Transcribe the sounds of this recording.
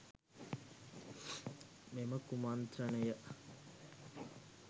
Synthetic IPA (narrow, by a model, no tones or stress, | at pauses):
meməkumant̪ɾɐnəjə